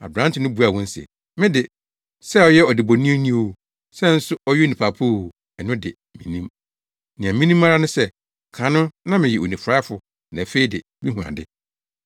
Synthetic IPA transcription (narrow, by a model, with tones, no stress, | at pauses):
a̰˨bɾã˦n˦tʰɪ˨nʊ̃˦bu˨˦a˨wɔ̃˦n̩˦sɛ̰˨ | mɪ̃˦dɪ˨ | sɛ˦ɔ˨jɛ˦ɔ˨dɪ˨bo˨nĩ˦nĩ˦o˨ | sɛ˦n̩˦sʊ˦ɔ˦jɛ˦nĩ˨pʰa˨pʰu˦˨ | ɛ˨nʊ̃˦dɪ˨ | mĩ˨nĩ˦m | nĩ˨ã˨mĩ˦nĩ˦ma˦ɾa˦nʊ̃˦sɛ˦ | kʰã˨nʊ̃˦nã˦mɪ̃˨jɛ˨o˨nĩ˨fɾa˦fʊ˨ | nã˨fe˦i˦dɪ˨ | bi˦hũ˨ã̰˨dɪ̰˦